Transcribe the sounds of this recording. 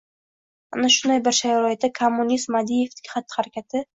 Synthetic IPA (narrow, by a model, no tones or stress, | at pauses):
anaʃʊnd̪ajbɪɾʃajɾɒjɪt̪ːakʰomːʊnʲist̪mad̪ije̞ft̪ɪ̥kʲχɑt̪ʰːɪ̥haɾakʲʰat̪ʰɪ